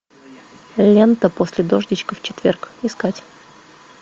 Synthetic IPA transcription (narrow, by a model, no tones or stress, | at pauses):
lʲe̞nt̪əposʲlʲɪd̪o̞ʐdʲɪt͡ɕkəft͡ɕɪt̪vʲerkɪskatʲ